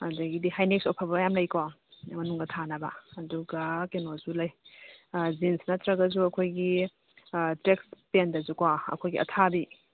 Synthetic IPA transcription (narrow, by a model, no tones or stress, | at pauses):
ɐzɐɡidihajnek̚sopʰɐbɐjamlɐjkomɐnuŋdɐtʰanɐbɐ̰ɐduɡɐkenozulɐj | d͡ʒinsnɐtɾɐɡɐzuɐkʰojɡi | tɾekspendɐzukwaɐ̰kʰojɡiʔɐ̰tʰabi